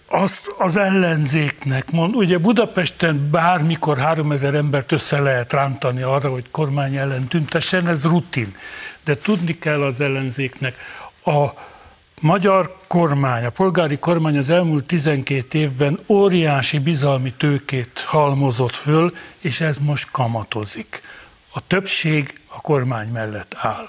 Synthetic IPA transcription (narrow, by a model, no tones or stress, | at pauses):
ɒst̪ɒzɛlːɛnzeːknɛkmond̪uɟɛbud̪ɒpɛʃt̪ɛnbaːrmiko̞rɦaːɾo̞mɛzɛɾɛmbɛrt̪øsːɛlɛɦɛt̪raːnt̪ɒniɒrːɒɦo̞cko̞rmaːɲɛlːɛnt̪ynt̪ɛʃːɛnɛzrut̪ind̪ɛt̪ud̪nikɛlːɒzɛlːɛnzeːknɛkɒ | mɒɟɒrko̞rmaːɲɒpo̞lɡaːɾiko̞rmaːɲɒzɛlmuːlt̪ːizɛŋkeːt̪eːvbɛnoːɾijaːʃibizɒlmit̪øːkeːt̪hɒlmo̞zo̞t̪føleːʃɛzmo̞ʃt̪kɒmɒt̪o̞zik | ɒt̪øpʃeːɡɒko̞rmaːɲmɛlːɛt̪ːaːl